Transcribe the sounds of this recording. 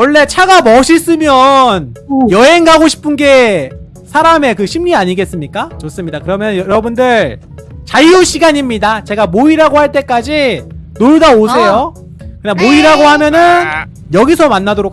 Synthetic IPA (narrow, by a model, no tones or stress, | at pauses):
wʌɭːe̞t͡ɕʰaɡamʌɕʰis͈ɯmjʌnjʌɦe̞ŋɡaɡoɕʰi̥pʰɯnɡe̞ | sʰaɾame̞kɯɕʰimɲiaɲiɡe̞s͈ɯmɲik͈at͡ɕʌs͈ɯmɲidakɯɾʌmjʌnjʌɾʌbundɯɭ | t͡ɕaioɕʰiɡaɲimɲidat͡ɕe̞ɡamoiɾaɡohaɭt͈e̞k͈ad͡ʑinodaosʰe̞jo | kɯɲamoiɾaɡohamjʌnɯn | jʌɡisʰʌmanːadoɾok